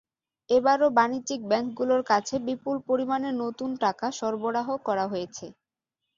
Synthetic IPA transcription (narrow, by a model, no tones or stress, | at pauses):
ebaɾobaniik̚bɛŋk̚ɡuloɾkat͡ɕʰebipulpoɾimanenot̪unʈakaʃɔɾboɽaɦokɔɾaɦojet͡ɕʰe